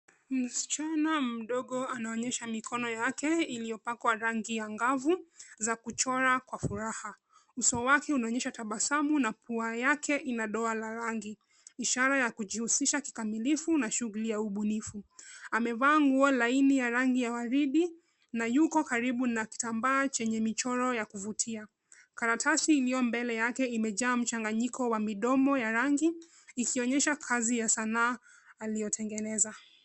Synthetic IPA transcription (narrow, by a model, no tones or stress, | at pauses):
m̩si̥t͡ʃanam̩ɗɔɠɔanaɔɲɛʃamikʰɔnɔjakɛilijɔpakwaɾaŋɡijaŋɡavuzakut͡ʃɔɾakwafuɾaha | usɔwakɛunaɔɲɛʃataɓasamunapʰuajakʰɛʔinaɗɔalaɾaŋɡi | iʃaɾajakuʄihusiʃaki̥kamilifunaʃuɣulijauɓunifuamɛvaːŋɡualainijaɾaŋɡijawaɾiɗi | najukɔkaɾiɓunaki̥tambaːt͡ʃɛɲɛmit͡ʃɔɾɔjakuvutʰia | kaɾatʰasiːlijɔmbɛlɛjakɛimɛʄaːm̩t͡ʃaŋɡaɲikʰɔwamiɗɔmɔjaɾaŋɡiː | kʰiɔɲɛʃakʰazijasanaː | lijɔtʰɛŋɡɛnɛza